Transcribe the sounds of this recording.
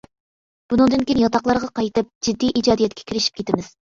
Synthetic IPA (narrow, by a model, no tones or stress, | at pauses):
b̥unɨŋd̪ɨnkʲijnjɑt̪ʰɑqlˠɑɾʁɑqɑjt̪ɨp̚d͡ʒid̪ːijʔid͡ʒɑːd̪ijɛt̪kʲʰɛ̥kʲʰiɾɪʃi̥p̚kʲʰet̪ɪmɪz̥